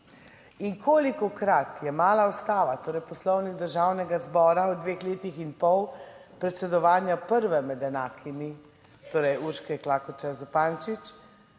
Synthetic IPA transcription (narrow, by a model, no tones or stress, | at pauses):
inkʰoːlikɔkɾat̪jɛmaːlaust̪aːʋat̪oːɾɛjpɔslɔwniɡ̚d̪əɾʒawnɛɡazbɔːɾaɔd̪ʋeːxleːt̪ixinpɔw | pɾɛt̪sɛd̪ɔʋaːnjapəɾʋɛmɛd̪ɛnaːkʰimi | t̪oːɾɛjuɾʃkɛklaːkɔt͡ʃɛzupaːnt͡ʃit͡ʃ